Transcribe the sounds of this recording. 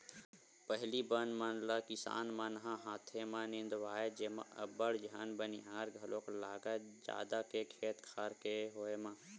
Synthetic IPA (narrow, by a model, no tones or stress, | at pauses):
pəɦlibənmanlakɪsa̰ːnmanɦãɦaːt̪ʰemãnɪ̃nd̪ʋaːed͡ʒeːmã̰ɐ̰bəɽd͡ʒʱaːnbəniɦaːɾɡʱɐloːklaːɡad͡ʒa̰ːd̪akekʰeːt̪kʰaːɾkeɦoːemã